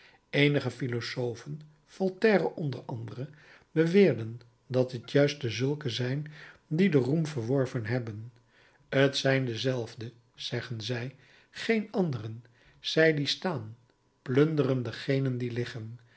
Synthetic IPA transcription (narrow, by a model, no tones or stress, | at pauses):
ejnəχəfilosowvən | fɔlˠtɛːrəʔɔndəɹɑndərə | bəʋɪːɹdən | dɑtətjœɥst̚dəzɵlˠkəzɛjndidərumvəɹʋɔɹvənɦɛbən | ətsɛjndəzɛlˠvdə | z̥ɛχənzɛj | χejnɑndərən | z̥ɛjdistaːn | plɵndərəndəχejnəndilɪχən